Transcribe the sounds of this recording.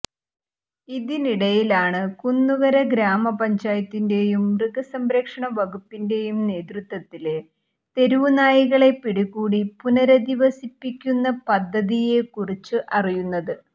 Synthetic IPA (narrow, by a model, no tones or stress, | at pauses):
iðiniɽɐjilaːɳɨkunːuɣɐɾɐɡɾaːmɐpɐɲd͡ʑaːjɐt̪ːinde̞jumrɨɣɐsɐmɾɐkʂɐɳɐʋɐɣupːinde̞jumne̞ːd̪rut̪wɐt̪ːile | t̪e̞ɾuʋunaːjiɣɐɭe̞piɽuɣuːɽipunɐɾɐd̪iʋɐsipːikʲːunːɐpɐd̪ʱːɐðije̞kurit͡ɕːɨʔɐrijunːɐðɨ